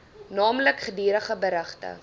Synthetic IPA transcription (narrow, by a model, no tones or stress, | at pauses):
nɑːmləkχədiːɾəχəbəɾəχtə̰